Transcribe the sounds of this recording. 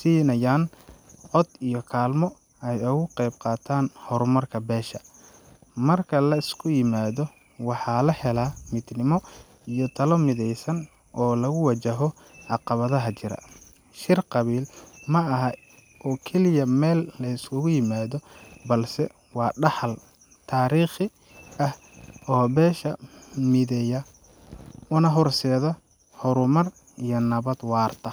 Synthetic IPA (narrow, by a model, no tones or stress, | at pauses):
siːnɐjaːnʕɔd̪ijɔkʰaːlmɔ | ɛjʊɣʊqɛjbqɑːt̪ʰaːnhɔɾmɐrkʰɐbɛːʃɐ | mɐrkʰɐlɐɪskʰʊjɪmaːðɔ | wɑħɑːlɐhɛlaːmɪd̪nɪmɔ | ijɔt̪ʰɐlɔmɪðɛjsɐn | ʔɔːlɐɣʊwɑt͡ʃɐɦɔ | ʕɑqɑβɐðɐɦɐt͡ʃɪɾɐ̰ | ʃɪrqɑβiːlmɐɐɦɐ | ɔːkʰɛlɪjɐmɛːlːɐɪsʊɣʊjɪmaːðɔbɐlsɛ | wɑːɖɑħɐl | t̪ʰaːɾiːχɪ | ʔɐh | ɔːbɛːʃɐmɪðɛjɐ | ʊnɐɦɔrsɛːðɐ | ħɔɾʊmɐr | ijɔnɐβɐd̪wɑːrt̪ʰɐ